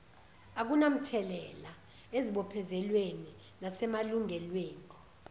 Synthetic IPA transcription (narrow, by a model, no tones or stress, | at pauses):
ak̬unam̩tʰɛlɛla | eziɓɔpʰɛzɛlweni | nasɛmaluŋɛlweːni